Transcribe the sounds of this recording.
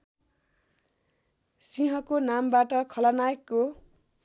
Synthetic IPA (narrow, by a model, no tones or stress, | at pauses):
siɦʌkonambaʈʌkʰʌlʌnaekːo